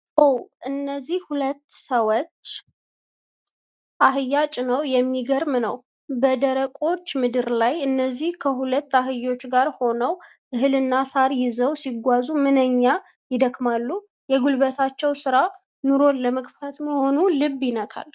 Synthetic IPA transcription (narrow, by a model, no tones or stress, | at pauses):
ʔowʔɨnːəzːihhulət̪ːsəwt͡ʃː | ʔaɦɨjːat͡ʃʼnəwjɛmːiɡəɾmnəw | bəd̪əɾəkʼo̞t͡ʃːmɨd̪ɨɾlajɨnːəzːihkʰəhulət̪ːaɦɨjːo̞t͡ʃːɡaɾho̞nəw | ʔɨɦɨlɨnːasaɾjɪzəwsiɡʷazumɨnəɲːa | jɪd̪əkmalːu | jɛɡulbət̪ʰat͡ʃːɛwsɨɾa | nuɾo̞nləməɡfat̪məho̞nulɨbːjɪnəkʰa̰l